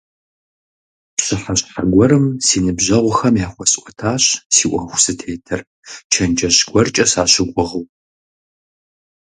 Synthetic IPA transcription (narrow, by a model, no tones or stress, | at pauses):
pɕɪħaɕħaɡʷɔɾɨmsiːnɨbʑɐʁʷʊxɐmjaːχʷɔɕʼʔʷʼɔtʰaːɕsiːʔʷɔxʷsɨtʰeːtʰɐr | t͡ʃʰɐnd͡ʒɐɕɡʷɔrt͡ʃʼɐsaːɕɪɡʷʼʊʁəw